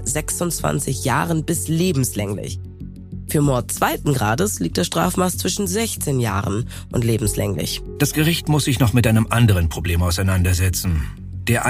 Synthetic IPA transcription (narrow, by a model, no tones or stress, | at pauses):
zɛksʊnt͡sv̥a̰nt͡sɪçja̰ːʁənbɪsleːbm̩slɛŋlɪ̰ç | fyːɐmɔɐt̚t͡sv̥aɪtn̩ɡʁa̰ːdəsliːk̚td̥asʃtʁ̥a̰ːfmaːst͡sv̥ɪʃn̩zɛçt͡seːnja̰ːʁən | ʔʊ̰ntleːbm̩slɛ̰ŋlɪ̰ç | d̥asɡ̥əʁɪçtmʊsz̥ɪçnɔχmɪtʔaɪnəmʔandəʁ̞ənpʁ̥obleːmaʊsaɪnandɐzɛt͡sn̩ | d̥eːɐʔa